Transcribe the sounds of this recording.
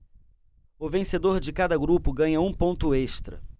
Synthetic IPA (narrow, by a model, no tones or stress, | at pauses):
ʊvẽsed̪oɾd͡ʒɪkad̪ɐɡɾupʊɡɐ̃ɲɐũpõnt̪ʊeʃt̪ɾɐ̰